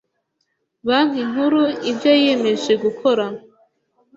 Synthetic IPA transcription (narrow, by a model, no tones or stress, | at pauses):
βan̥iŋhuɾuibjojeme̞ʒeɡukʰo̞ɾa